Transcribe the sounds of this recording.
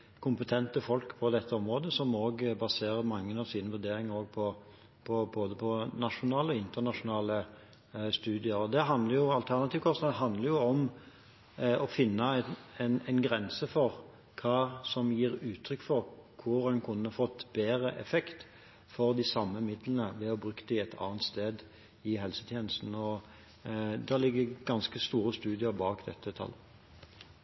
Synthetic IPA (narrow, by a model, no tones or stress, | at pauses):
kʰʊmpət̪ʰɛnt̪əfɔlkpʰɔd̪ɛt̪ʰːəɔmʁoːd̪əsɔmoːɡbɑseːʁəɾmɑŋːənɑʋsiːnəʋʉɾd̪eːɾɪŋəɾoːɡ̚pʰɔ | pʰɔboːd̪əpʰɔnɑʃʊnɑːləɔɪnt̪ənɑʂʊnɑːlə | st̪ʉːd̪ɪəɾɔd̪ɛɦɑnd̪ləɾjʊɑlt̪ʰæʁnɑt̪iːʋkʰɔsnɑːd̪əɦɑnd̪ləɾjʊɔm | ɔfɪnːɑɛnɛɪnɡɾɛnsəfɔʁ | kʰɑːsɔmjiːʁʉːt̪ʰɾʏkːfɔʁkʰʊɾɛnkʰʊnːəfɔt̪ːbeːɾəʔɛfɛkt̪ | fɔʁd̪ɪsɑmːəmɪd̪lənəʋɛɔbʁʉkːəd̪æɪɛt̪ʰɑ̰ːnt̪st̪eːd̪ | ɪɦɛlsə̥t̪ʰjeːnəst̪n̩ɔ | d̪ɑlɪɡːəɡɑnskəst̪uːɾəst̪ʉːd̪ɪəɾbɑːkd̪ɛ̰t̪ːət̪ʰɑ̰lː